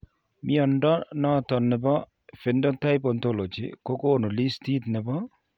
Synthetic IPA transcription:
mʔɪ˦ɔ˨ndɔ˦nɔ˦˨t̪ɔ˨nːɛ˨bɔ˦ | fe˨ndɔ˦nt̪a˦jp̬o˨nt̪o˦lo˨d͡ʒɪ̰˨ko˦koː˦˨no˨li˦st̪i˦t̪nɪ˨bɔ˦

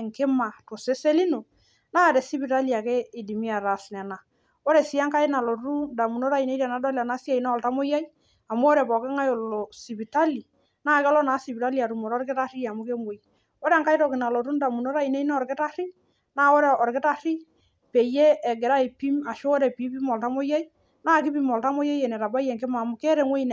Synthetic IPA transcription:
ŋkɪ˦ma˨to˨se˦se˦li˦no˨ | na˦˨dɛ˨si˦bi˨ta˦li˨a˨ke˦ɪ˨di˨mi˦a˨ɾa˨snɛ˨na˨ | o˦ɾɛ˨si˦a˦ŋka˦ɪ˦na˨lo˨tu˦nda˨mu˨no˦ɾa˦i˨ne˦ɾa˨na˦dɔ˦la˨na˨˦si˦a˨i˨na˦ɔ˨lta˦mo˦ja˦j | a˨m˦o˦ɾɛ˨pɔ˨kɪ˦ŋa˦jo˨llo˨si˨bi˨ta˦li˨ | naː˦˨kɔ˦lɔ˦naː˨˦si˨pi˨ta˦li˨a˨tu˨mo˨ɾɔ˦ɾkɪ˦ta˦ɾi˦a˨mʊ˦ke˦ŋwo˦i˨ | o˦ɾɛ˨ŋka˦jtɔ˨kɪ˨na˨lo˨tu˦nda˨mu˨no˦ɾa˦i˨ne˦i˦na˦ɔ˨ɾkɪ˦ta˦ɾi˦ | naː˦o˦ɾe˨ɔ˨ɾkɪ˦ta˦ɾi˦ | pe˨je˦ɛ˨ɡɛ˨ɾa˦e˨pi˦ma˨ʃoː˦ɾɛ˨pi˨˦pi˦mɔ˨lta˦mo˦ja˦i˦ | naː˦˨kɪ˦pi˦mɔ˨lta˦mo˦ja˦jɛ˨nɛ˨ɾa˨ba˦jɛ˨ŋke˦ma˨mʊ˨ke˦ɾe˨ŋwo˦i˦n˨

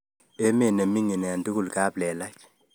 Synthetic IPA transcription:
e˦me˦˨ne˨mi˦ŋi˨nɛ˨a˨ndi˦ku˦˨lka˦blɛ˨la˦k

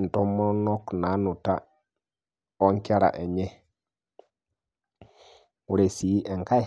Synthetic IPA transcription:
n̩˨tɔ˦mɔ˦nɔ˦kna˨˦nu˨ta˦ | ɔ˦ŋkɛ˦ɾa̰˨ʔɛ˨ɲɛ˦ | u˨ɾe˨si˨˦ʔɛ˨ŋka˦

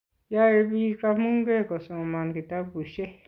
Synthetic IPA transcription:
ja˦e˧βi˧ka˧mũ˦ŋɡe˦ko˨sõ˨˧mã˧nɡi˧˨t̪a˦ku˨ʃe˦

